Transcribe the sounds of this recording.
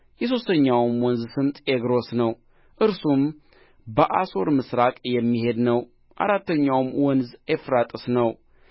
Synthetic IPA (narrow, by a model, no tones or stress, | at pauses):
jɛs̬o̞st̪ʰəɲːawmwɔnzsɨmt̪ʼeɡɾo̞snəw | ʔɨɾsum | bəʔaso̞ɾmɨsɾakʼjɛmːihe̞d̪nəw | ʔa̰ɾat̪ːəɲːawmwɔnzefɾat̪ʼɨsnəw